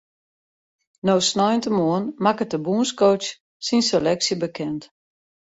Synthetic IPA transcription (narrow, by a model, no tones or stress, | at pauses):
noːsnɔjəntəmoənmakətəbuənskowt͡ʃ | sinselɛksjəbəkʰɛnt